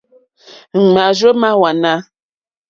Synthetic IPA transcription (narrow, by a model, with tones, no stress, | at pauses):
ŋ̩˨ma˨ʒə˦ma˦wa˨na˦